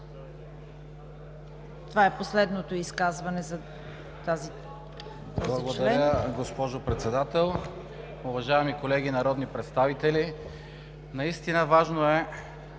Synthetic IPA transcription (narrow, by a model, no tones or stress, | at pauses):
t̪ovaɛposlɛd̪not̪oiskazvɐnɛzɐ | t̪azi | blˠɐɡod̪ɐɛɾəɡospɔʒopɾɛt̪sɛd̪at̪ɛlˠ | ʊvɐʒaɛmikolɛɡinɐɾɔd̪nipɾɛt̪st̪avit̪ɛli | nɐist̪inəvaʒnoɛ